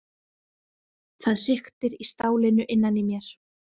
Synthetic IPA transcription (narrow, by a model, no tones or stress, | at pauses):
θaðr̥ɪxt̪ɪɾist̪aːwlɪnʏʔɪnːanimjɛɾ̥